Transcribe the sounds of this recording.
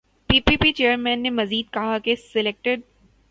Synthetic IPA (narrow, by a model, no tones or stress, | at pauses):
piːpiːpit͡ʃeːəɾmɛ̃ːnːemɐziːd̪̚kɐɦakesɪleːk̚ʈɪɖ̚